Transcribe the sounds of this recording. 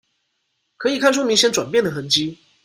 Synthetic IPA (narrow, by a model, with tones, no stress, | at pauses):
kʰɤ˧˥i˨˩kʰa˥˩nʈ͡ʂʰu˥mi˧˥ŋɕjɛ˥nʈ͡ʂwa̰˨˩npjɛ˥˩nd̪ə˩xə˧˥nt͡ɕi˥